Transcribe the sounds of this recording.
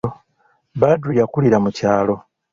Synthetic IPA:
badɾujakuliɾamucaːlo̞

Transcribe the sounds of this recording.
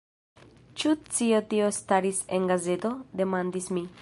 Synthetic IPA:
t͡ʃut͡siot̪io̞st̪aɾisenɡaze̞t̪o̞d̪e̞mand̪ismi

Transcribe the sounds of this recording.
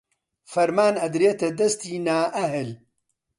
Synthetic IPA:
fɐɾmaːnɐd̪ɾet̪ɐd̪ɐst̪iːnaːʔɐɦɨl

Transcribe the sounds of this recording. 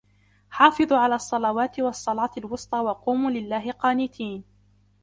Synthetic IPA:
ħɑːfɨðˤʕalaːɑsˤːɑlɑwaːt̪ɪwɑsˤːɑlɑːt̪ɪlwʊst̪ˤɑːwɑquːmuːlɪlːaːɦɪqɑːnɪt̪ʰiːn

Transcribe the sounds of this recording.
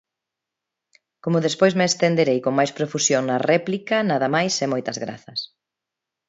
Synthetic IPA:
komʊðespojzmeːst̪end̪eɾejkoŋmajspɾofusjoŋnɐrɛplikɐnaðɐmajsɛmojt̪ɐzɣɾa̰θɐs

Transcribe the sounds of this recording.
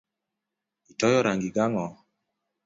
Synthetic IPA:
itɔjɔɾaŋɡiɡaŋɔ

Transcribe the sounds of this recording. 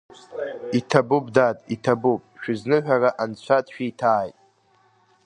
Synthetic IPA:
itʰabupʼdatʼitʰabupʼʃᶣɪznɨħᶣaraʔant͡ɕʷʰatʼʃᶣitʰaːjtʼ

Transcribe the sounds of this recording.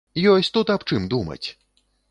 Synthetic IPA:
jɔsʲt̪ut̪apt͡ʂɨmd̪umɐ̰t͡sʲ

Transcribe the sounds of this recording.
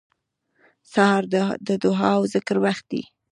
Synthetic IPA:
sahɑɾd̪əd̪ʊɦɑwzɪkɾwaxt̪̚d̪ḭ

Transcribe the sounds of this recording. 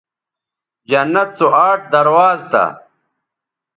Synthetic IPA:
d͡ʑɐnːɐt̪̚t͡soaːʈ̚d̪ɐɾwaːzt̪ɐ̰

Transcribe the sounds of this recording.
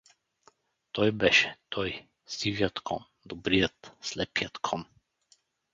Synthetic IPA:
t̪ɔjbɛʃɛ̥t̪ʰɔj | sivjɔt̪kʰɔm | d̪ɔbɾijɔt̪slɛpiɔt̪kʰɔm

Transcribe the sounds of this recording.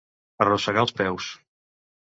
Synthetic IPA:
ərosəɣaəlˠspɛws

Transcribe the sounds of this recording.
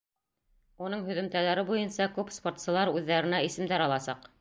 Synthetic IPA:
unɤɴɦɵ̆ðɵ̆mt̪ælæɾɘbujɤnsɑkʉpspo̞rt̪sɤ̆lˠɑɾʉðːæɾɘ̆næisɘ̆md̪æɾɑlˠɑsɑq

